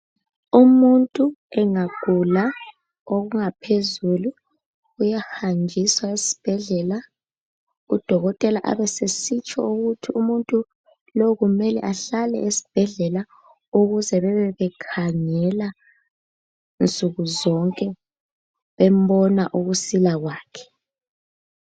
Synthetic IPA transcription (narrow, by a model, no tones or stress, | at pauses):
umuntʼuɛŋaɡ̥ʱula | oɣuŋapʰezulu | ujahand͡ʒʱiswaesi̥b̥ʱɛɮɛla | ud̥ʱɔɣɔtʼɛlaʔa̰βɛsesit͡ʃʼɔ̰uɣutʰiumuntʼu | loɣumɛlɛ̰ʔaɬalɛ̰ʔesi̥b̥ʱɛɮɛla | uɣuzɛβɛβɛβɛkʰaŋɛla | nt͡sʼuɣuzɔŋkʼɛ | βɛm̩bɔnaʔuɣusilaɣwaːkʰɛ̥